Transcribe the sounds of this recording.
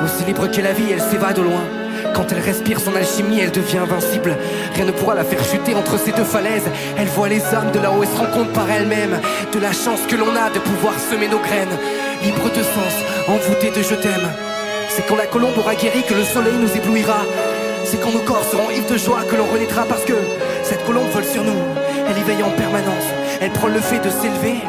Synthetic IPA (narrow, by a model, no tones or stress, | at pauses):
osilibʁəkɛlaviɛlsevad̪əlwɛ̃ | kɑ̃t̪ɛlʁɛspiʁsɔ̃nalʃimiɛld̪əvjɛ̃ɛ̃vɛ̃sibl | ʁjɛ̃nəpuʁalafɛʁʃyt̪eɑ̃t̪χəsed̪øfalɛz | ɛlvwalezaʁmd̪əlaoɛlsəʁɑ̃kɔ̃t̪χpaʁɛlmɛm | d̪̥əlaʃɑ̃skəlɔ̃nad̪əpuvwaʁsəmenoɡʁɛn | libʁəd̪əsɑ̃s | ɑ̃vut̪ed̪əʒət̪ɛm | sɛkɑ̃lakɔlɔ̃bɔʁaɡʲeʁikələsɔlɛjnuzebluiʁa | sɛkɑ̃nokɔʁsəʁɔ̃ivd̪əʒwakəlɔ̃ʁənɛt̪χapaʁsə̥kə | sɛt̪kɔlɔ̃bvɔlsyʁnu | ɛlevɛjɑ̃pɛʁmanɑ̃s | ɛlpχɑ̃ləfɛd̪əselve